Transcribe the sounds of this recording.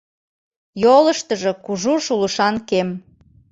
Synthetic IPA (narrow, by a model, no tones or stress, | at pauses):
joləʃt̪əʒɤ̆kuʒuʃuləʃɑnkem